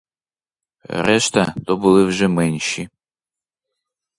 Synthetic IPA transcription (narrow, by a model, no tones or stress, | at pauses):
rɛʃt̪ɐd̪ɔbɨlˠɨvʒɛmɛnʲʃi